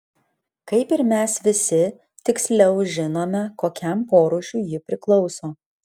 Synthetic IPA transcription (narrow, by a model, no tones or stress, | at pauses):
kɐɪpɪɾmʲɛsʋʲɪsʲɪ | t̪ʲɪksʲlʲɛʊʒʲɪnoːmʲɛkoːkʲɛmpoːɾʊʃʲuːjɪpʲɾʲɪklˠɒʊsoː